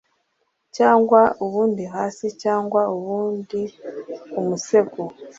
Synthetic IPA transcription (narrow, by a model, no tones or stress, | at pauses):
caːŋɡwauβuːndihaːsicaːŋɡwauβuːndi | umuseku